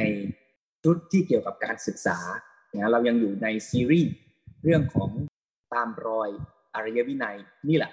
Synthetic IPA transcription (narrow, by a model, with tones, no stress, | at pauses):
na˧j | t͡ɕʰu˦˥t̪̚ʰːiː˥˩ki˨˩əwka˨˩p̚kaː˧nsɯ˨˩k̚saː˩˦ | a˨˩ŋa˦˥ɾa˧wja˧ŋjuː˨˩na˧jsiː˧ɾiː˥˩ | ɾɯ˥˩əŋkʰɔː˩˦ŋ | t̪aː˧mɾɔː˧j | ʔa˧ɾa˧ja˦˥wi˦˥˩na˧j | niː˥˩lɛ̰˨˩ʔ